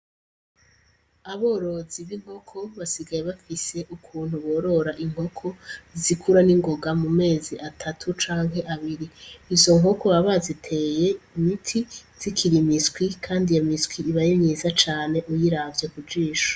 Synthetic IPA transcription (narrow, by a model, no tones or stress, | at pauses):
aβo̞ːɾo̞ziβiŋ̥ho̞kʰo̞βasiɡajeβafise̞ʔukʰuːnhuβo̞ɾo̞ɾaʔiŋho̞kʰo̞zikʰuɾaniŋɡo̞ɡamume̞ːziʔatʰatʰut͡ʃaːŋɦhe̞ʔaβiɾiizo̞ŋɦo̞ko̞βaβazitʰe̞ːje̞imitʰiz̥ikʰiɾimiskwikʰaːndijamiskwiːβajemɲiːzat͡ʃaːne̞ʔujiɾavjekud͡ʒiːʃo̥